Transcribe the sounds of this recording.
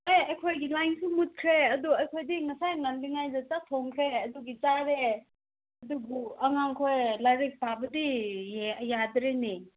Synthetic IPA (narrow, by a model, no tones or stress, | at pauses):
ajɐkʰojɡilajnsumut̚kʰɾeɐduɐjkʰojdiŋɐsajŋanliŋajzɐtatʰoŋkʰɾeɐduɡit͡ʃaɾe | ɐduɡuɐŋaŋkʰojlaɾik̚pabɐdi | jadɾeni